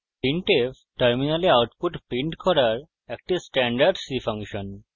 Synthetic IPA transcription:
piɳʈef | ʈəɾminaliawʈpuʈpiɳʈkʰɔɾaɾ | ek̚ʈisʈɛɳɖaɾɖsifʰaŋkʃɔn

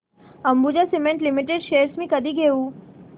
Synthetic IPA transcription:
əmbud͡ʑasimẽɳʈlimiʈeɖʃeːɾsmĩkəd̪iɡeũ

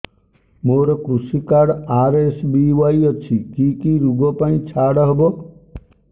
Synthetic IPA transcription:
moɾɔkɾusikaɽaɾesbiwajɔt͡ʃʰikikiɾuɡɔpaĩt͡ʃʰaɽɔɦebɔ

